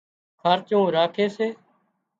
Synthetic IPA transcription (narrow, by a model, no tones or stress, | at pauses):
kʰaːɾt͡ʃõːɾaːkʰeːseː